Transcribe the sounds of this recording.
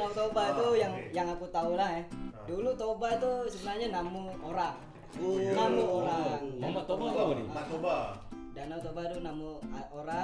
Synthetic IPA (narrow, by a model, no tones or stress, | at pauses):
naut̪obait̪ujaŋjaŋakut̪aulaɦadulut̪obait̪usəbənaɲanamuoɾaŋ | dunamuoɾaŋamat̪obabadioba | danaut̪obat̪unamuaoɾa